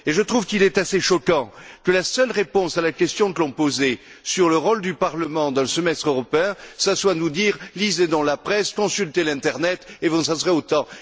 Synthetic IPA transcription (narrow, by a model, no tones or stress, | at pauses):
eʒət̪χuvkilɛt̪aseʃɔkɑ̃kəlasœlʁepɔ̃salakʲɛst̪jɔ̃kəlɔ̃poze | syʁləʁɔld̪ypaʁləmɑ̃d̪ɑ̃ləsəmɛst̪χøʁɔpeɛ̃saswanud̪iʁlized̪ɔ̃lapχɛskɔ̃sylt̪elɛ̃t̪ɛʁnɛt̪evɔ̃sasəʁɛot̪ɑ̃